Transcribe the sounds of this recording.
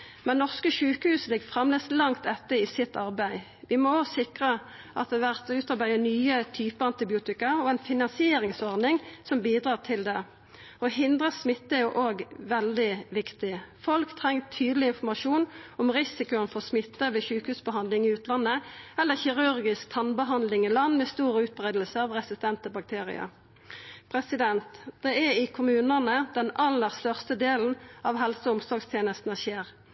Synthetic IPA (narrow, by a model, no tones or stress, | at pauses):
mɛnːɔʁskəʃʉːkəhʉːsəlɪɡfʁɛmleːslɑŋt̪ɛt̪ːəɪsɪt̪ːɑʁbæɪ | ʋɪmɔsɪkʁə | ʔɑt̪̚d̪ɛʋæʁt̪ʉːt̪ɑʁbæɪənyːət̪ʰyːpəɑnt̪ɪbɪuːt̪ɪkəɔɛnfɪnɑnsɪeːɾɪŋsɔʁd̪nɪŋsɔmbiːd̪ʁɑːʁt̪ʰɪld̪ɛ | ɔɦɪnd̪ʁəsmɪt̪ːɛjʊʔoːɡʋɛld̪ɪʋɪkt̪ɪfɔlkt̪ʰʁɛŋt̪ʰyːd̪əlɪɪnfɔmɑʃuːnɔmʁɪsɪkʊənfɔʁsmɪt̪ːəʋeçʉːkhʉːsbəɦɑnd̪lɪŋɪʉːt̪lɑnːəɛlːəçɪʁʉɾɡɪsk̚t̪ʰɑnbəɦɑnd̪lɪŋɪlɑnːmɛːst̪uːɾəʉːt̪̚bʁeːd̪lsəɑʋʁɛsɪst̪ɛnt̪əbɑk̚t̪ʰeːʁɪ̰ə̰ɾ | pʰʁɛsɪd̪ɛnt̪d̪̥ɛɛɾɪkʰʊmʉːnənəd̪ɛnɑlːəʁst̪œʁst̪əd̪eːln̩ɑʋɦɛlsɔʊmsɔɡst̪ʰjeːnəst̪n̩əʃeːʁ